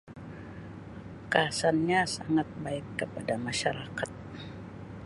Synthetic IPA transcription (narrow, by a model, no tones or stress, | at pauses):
kasanɲasaŋat̪̚baɪkːəpadamaʃaɾakat̪̚